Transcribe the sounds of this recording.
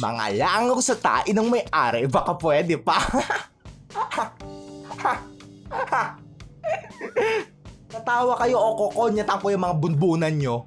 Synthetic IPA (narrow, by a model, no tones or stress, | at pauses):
mɐ̰ŋa̰laʔɐŋkosɐt̪a̰ːʔɪnɐŋmɐjʔaːɾɛbɐkapwɛːd̪ɛpɐ | t̪ɐt̪aːwɐkɐjoʔokokonɲɐt̪ɐŋkojɐŋmɐŋabʊnbuːnɐnɲo